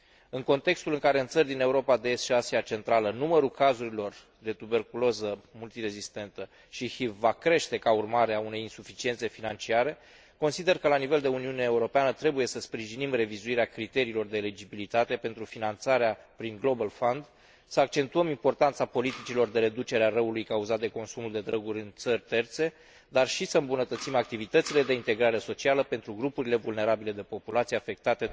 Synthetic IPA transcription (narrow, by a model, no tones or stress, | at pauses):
ɨŋko̞nt̪e̞kst̪ulɨŋkaɾe̞ɨnt̪sərʲd̪ine̞uɾo̞pad̪e̞esʃiasiat͡ʃe̞nt̪ɾalənuməɾukazuɾilo̞r | d̪e̞t̪ube̞rkulozəmult̪iɾe̞zist̪e̞nt̪ə | ʃihivvakɾe̞ʃt̪e̞kaurmaɾeaune̞jinsufit͡ʃie̞nt̪se̞finant͡ʃiaɾe̞ | ko̞nsid̪e̞rkəlanive̞ld̪e̞uniuneːuɾo̞peanət̪ɾe̞buje̞səspɾiʒinimre̞vizuiɾeakɾit̪e̞ɾiːlo̞rd̪e̞ːled͡ʒibilit̪at̪e̞pe̞nt̪ɾufinant̪saɾeapɾiŋɡlo̞balfond̪ | səak̚t͡ʃe̞nt̪uəmimpo̞rt̪ant̪sapo̞lit̪it͡ʃilo̞rd̪e̞ɾe̞d̪ut͡ʃe̞ɾearəulujkauzat̪̚d̪e̞ko̞nsumuld̪e̞d̪ɾəɡuɾʲɨnt̪sərʲt̪e̞rt̪se̞ | d̪arʃisəɨmbunət̪ət̪simak̚t̪ivit̪ət̪sile̞d̪e̞int̪e̞ɡɾaɾe̞so̞t͡ʃialəpe̞nt̪ɾuɡɾupuɾile̞vulne̞ɾabile̞d̪e̞po̞pulat̪sijafe̞k̚t̪at̪e̞